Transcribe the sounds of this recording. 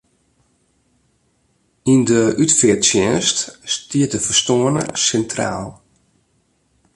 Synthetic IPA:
indəʔytfɪtsjɛːnststiət̚dəfərstoənə̰sɛntra̰ːlˠ

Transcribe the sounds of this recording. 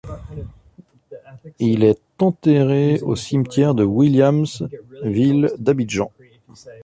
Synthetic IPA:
ilɛt̪ɑ̃t̪eʁeo̰simt̪jɛʁd̪əwiljamsvild̪abid̪ʒɑ̃

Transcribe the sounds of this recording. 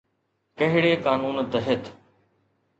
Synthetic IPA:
kəɦɪɽeːkaːnuːnt̪əɦɪt̪ʰ

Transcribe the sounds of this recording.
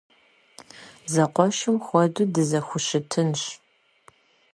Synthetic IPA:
zɐqʷɔʃɪmxʷɔdudɨzɐxʷʊɕɪtʰɨnɕ

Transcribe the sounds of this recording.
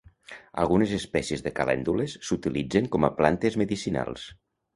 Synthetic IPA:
a̰lˠɣunezespɛsiezðəkalɛ̰nd̪ulesːut̪ilid͡zeŋkɔməplant̪ezməðisina̰lˠs

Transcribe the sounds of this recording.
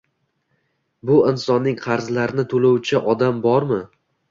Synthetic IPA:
bʊɪnsɒnːɪŋqʰɑɾzlaɾɪnɪt̪ʰolowt͡ʃʰɪʔɒd̪ambɒɾmɪ

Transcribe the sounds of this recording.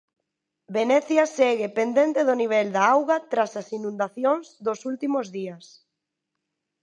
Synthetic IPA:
benɛθjɐsɛɣepend̪ent̪eðoniβ̞ɛld̪aawɣat̪ɾasasinũnd̪aθjoŋzðosult̪imozðiɐs

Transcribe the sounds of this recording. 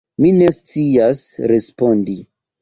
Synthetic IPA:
mine̞st͡siasɾe̞spo̞ndi

